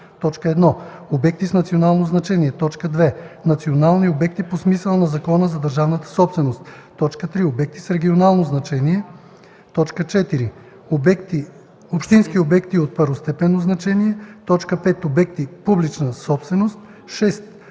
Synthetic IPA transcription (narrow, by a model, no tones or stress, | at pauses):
t̪ɔt͡ʃkəɛd̪nɔobɛk̚t̪isnɐt̪sionalˠnoznɐt͡ʃɛniɛt̪ɔt͡ʃkəd̪vɛnɐt̪sionalˠniobɛk̚t̪iposmisəlˠənɐzɐkɔnəzɐd̪əɾʒavnət̪ə̥sɔpsvɛnost̪t̪ːɔt͡ʃkət̪ɾiobɛk̚t̪isɾɛɡʲionalˠnoznɐt͡ʃɛniɛ | t̪ɔt͡ʃkət͡ʃɛt̪iɾi | obɛkt̪i | opʃt̪inskiobɛkt̪iot̪̚pəɾvost̪ɛpɛnːoznɐt͡ʃɛniɛt̪ɔt͡ʃkəpɛt̪obɛkt̪ipublit͡ʃnəsɔpsvɛnost̪ | ʃɛst̪